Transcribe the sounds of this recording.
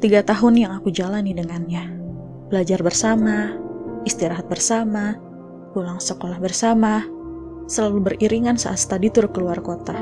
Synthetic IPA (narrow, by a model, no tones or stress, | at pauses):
t̪iɡat̪aɦʊnjaŋakud͡ʒalanidəŋanɲa | bəlad͡ʒarbərsamaist̪iɾaɦat̪̚bərsama | kulaŋsəkolahbərsama | səlalubəriɾiŋansa̰ʔat̪sə̥t̪adit̪uɾʊkːəluarkot̪a